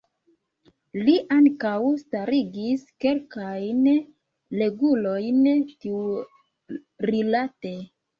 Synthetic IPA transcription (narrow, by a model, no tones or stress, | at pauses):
liʔaŋkawstaɾiɡiske̞lkajn | le̞ɡulo̞jntiu | ɾilate̞